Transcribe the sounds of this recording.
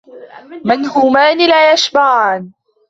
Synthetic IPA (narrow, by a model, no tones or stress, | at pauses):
mɪnhʊːmaːnɪlaːjaʃbaʕaːn